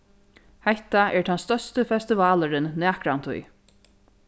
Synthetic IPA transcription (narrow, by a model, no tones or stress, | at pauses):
hɛht̪aʔɛɹt̪ʰanst̪œst̪əfɛst̪ɪvɑːləɾɪnːæːkɾant̪ʰṵj